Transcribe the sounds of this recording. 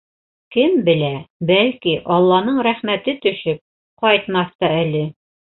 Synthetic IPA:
kɘmbɘ̆læbælkiʔɒlˠːɑnɤɴɾæχmæt̪ɘt̪ɵ̆ʃɘp̚ | qɒjt̪mɑst̪ɑælɘ

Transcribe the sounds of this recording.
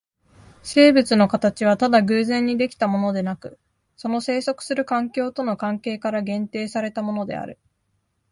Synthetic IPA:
se̞ːbɯ̟t͡sɨno̞kat̪at͡ɕiβ̞at̪ad̪aɡɯ̟ːzẽ̞ɲ̟ːid̪e̞kʲi̥t̪amo̞no̞d̪e̞nakɯ̟ | so̞no̞se̞ːso̞kɯ̟̥sɨɾɯ̟kãŋkʲo̞ːt̪o̞no̞kãŋke̞ːkaɾaɡẽ̞nt̪e̞ːsaɾe̞t̪amo̞no̞d̪e̞̰a̰ɾɯ̟

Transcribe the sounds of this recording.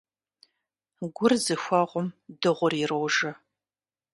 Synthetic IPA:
ɡʷʊrzɨxʷɐʁʷʊmdɨʁʷʊrirowʒɐ

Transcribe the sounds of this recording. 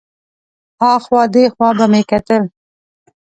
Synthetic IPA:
ɑxwɑːd̪exwɑːbamekat̪əl

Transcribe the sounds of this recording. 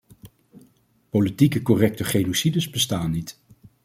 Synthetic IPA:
politikəkɔrɛk̚təχejnosidəzbəstaːnːit

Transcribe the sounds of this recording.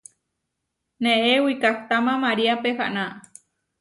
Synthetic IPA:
nẽʔewikakt̪amãmaɾiapehaʔnã

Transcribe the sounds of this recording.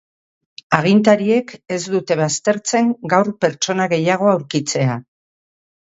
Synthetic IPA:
aɣ̞int̪aɾie̞ke̞zd̪ut̪e̞βast̪e̞ɾt͡se̞ŋɡawɾpe̞ɾt͡ʃo̞naɣe̞jaɣ̞o̞awɾkit͡se̞a

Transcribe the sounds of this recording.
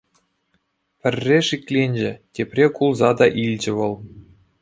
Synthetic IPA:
pʲɘ̆rʲːeʂikʲlʲenʲd͡ʑɘ̆tʲepʲrʲekulˠzɑd̪ɑʔilʲd͡ʑɘ̆ʋɤ̆lˠ

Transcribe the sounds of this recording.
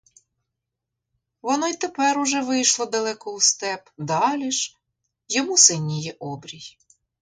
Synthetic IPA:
ʋɔnɔit̪epɛɾʊʒɛʋɪjʃlˠɔd̪ɐlˠɛkɔust̪ɛpd̪ɑlʲiʃ | jɔmusɪnʲːijɛʔɔbɾʲij

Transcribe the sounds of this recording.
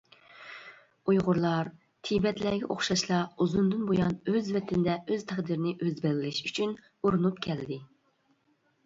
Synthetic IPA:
ujʁʊɾlˠɑɾ | t̪ʰibɛt̪lɛɡʲɛ̰ʔoχʃɑʃlˠɑuzund̪ɨnbojɑnøzvɛt̪ʰɪnɪd̪ɛʔøz̥t̪ʰɛχd̪iɾɪnɪʔøzbɪlɡʲɪlɪʃyt͡ʃʰyn | oɾunupkʲʰɛld̪ɪ

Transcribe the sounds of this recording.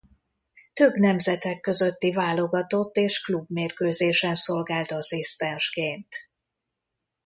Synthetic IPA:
t̪ø̞bnɛmzɛt̪ɛkːø̞zø̞t̪ːivaːlo̞ɡɒt̪o̞t̪ːeːʃklubmeːrkøːzeːʃɛnso̞lɡaːlt̪ɒsist̪ɛnʃkeːnt̪

